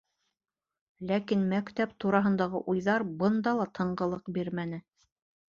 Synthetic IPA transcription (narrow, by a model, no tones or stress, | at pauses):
lækinmækt̪æp̚t̪uɾɑɦɤ̆nd̪ɑʁɤʔujðɑɾbɤ̆nd̪ɑlˠɑt̪ʰɤ̆ɴɢɤ̆lˠɤqbiɾmænɘ